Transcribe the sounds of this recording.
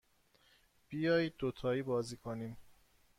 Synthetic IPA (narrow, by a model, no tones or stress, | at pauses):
b̥ijɒːjiːd̪̚ːot̪ʰɒːiːbɒːziːkʰoniːm